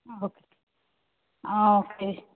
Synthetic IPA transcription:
aɦoke̥ | aokʰe

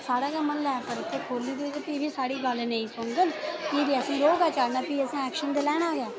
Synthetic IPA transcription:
saːɽaːkaːmənlɛːkəɾt̪ʰːeːkʰoːliːd̪ɪd͡ʒpibiːsaːɽiːɡəlnẽĩːsʊɳɡ̪ənkiːd̪iːəsĩːɾoːɡaːt͡ʃaːnaːpiːəsãːɛːkʃənd̪elɛːɽ̃aːɡɛː

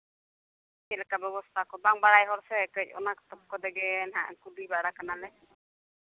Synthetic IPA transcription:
kɛlɛkabɛbɔst̪ʰakɔbaŋbaɽajɦɔɾsɛkəc̚ˀɔ̰nakɔ̥t̪ɔp̚kɔd̪ɛɡɛnɦa̰ʔkudibaɽakanalɛ

